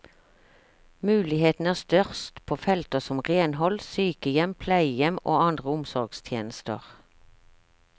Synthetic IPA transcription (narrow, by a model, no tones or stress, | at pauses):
mʉːlɪheːt̪n̩æːʁst̪œʁst̪pʰoːfɛlt̪əsɔmʁeːnhɔlsyːkəjɛmpʰlæɪjɛmo̰ːɑnd̪ʁəʊmsɔʁɡst̪ʰjeːnəst̪ə̰ʁ